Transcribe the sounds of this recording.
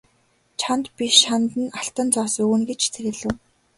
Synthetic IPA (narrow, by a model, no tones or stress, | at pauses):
t͡ɕʰant̪pʲiʃant̪ə̆naɬt̪ə̆nt͡sɔːsɵunɡet͡ɕt͡sʰeɾɘ̆ɮɘ̆w